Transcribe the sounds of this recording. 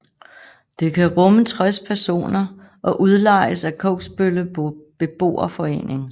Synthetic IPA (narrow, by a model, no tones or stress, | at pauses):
d̥e̝kʰæʁɔ̽mət͡sʰʁaspʰæɐso̝̰ːnɐ | ʔɒ̽ʔuð̞ˠlɑ̈ɪəsækʰɔ̽ʊɡ̥sb̥øləb̥e̝b̥o̝̰ːɐfɒ̽e̝̰ːne̝ŋ